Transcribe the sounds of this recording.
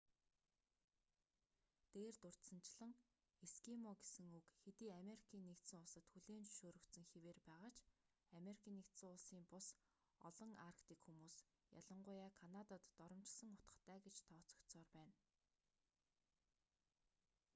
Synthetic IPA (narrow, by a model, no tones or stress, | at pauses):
t̪eːrt̪ʊr̥t̪sə̆nt͡ɕɪɮə̆ŋ | eskimɔɡesɘ̆ŋɵkxet̪iːameɾikʰiːnːekt̪sɘ̆ŋʊɮsə̆t̪xuɮeːnʃoːɾɵ̆kt̪sɘ̆ŋxeweːrpæːʁaːt͡ɕ | ameɾikʰiːnːekt̪sə̆ŋʊɮsiːmpʊs | ɔ̰ɮɞ̆ŋarkʰt̪iːkxumuːs | ja̰ɮə̆ɴɢʊːjaːkʰanat̪at̪ːɔɾɞ̆mt͡ɕɪ̆ɮsə̆ŋʊ̥t̪ə̥̆χt̪ʰæːɡet͡ɕt̪ʰɔːt͡sɞ̆kt̪t͡sɔːrpæːn